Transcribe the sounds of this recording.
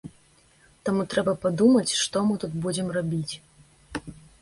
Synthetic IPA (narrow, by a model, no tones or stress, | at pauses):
t̪amut̪ɾɛbɐpad̪umɐt͡sʲʂt̪ɔmɨt̪ut̪bud͡zʲɛmrabʲit͡sʲ